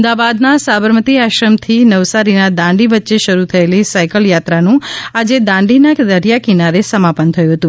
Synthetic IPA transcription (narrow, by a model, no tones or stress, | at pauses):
md̪aʋad̪nasabəɾmət̪iaʃɾəmt̪ʰinəʋsaɾinad̪ãɳɖiʋətːʃeʃəɾut̪ʰəelisajkəljat̪ɾanũad͡ʒed̪ãɳɖinad̪əɾjakinaɾesəmapənt̪ʰəjũɦət̪ũ